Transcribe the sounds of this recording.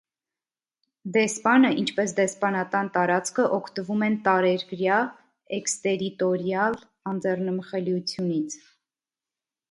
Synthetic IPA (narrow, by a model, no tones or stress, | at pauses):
d̪ɛspɑnəʔint͡ʃʰpɛsd̪ɛspɑnɑkɑnt̪ɑɾɑt͡skʰəʔɔkʰt̪əvumɛnt̪ɑɾɛɾɡɾjɑ | ɛkst̪ɛɾit̪ɔɾjɑl | ɑnd͡zɛrnəməχɛljut͡sʰjunit͡sʰ